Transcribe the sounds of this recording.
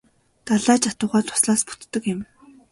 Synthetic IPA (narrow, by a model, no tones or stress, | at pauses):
t̪aɮaːt͡ɕat̪ʊːʁaːt̪ʰʊ̥sɮaːspu̥t̪ːə̆kɪ̆m